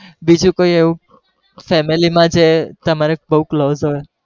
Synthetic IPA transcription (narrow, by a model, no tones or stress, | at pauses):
bid͡ʒũkoieʋũ | fɛmilimãd͡ʒet̪əmaɾebəɦukloːzɦoj